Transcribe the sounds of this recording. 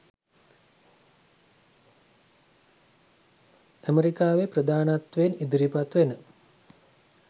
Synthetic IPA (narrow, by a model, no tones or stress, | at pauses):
əməɾikaːʋepɾəd̪aːnat̪ʋenid̪ɾipat̪ʋenə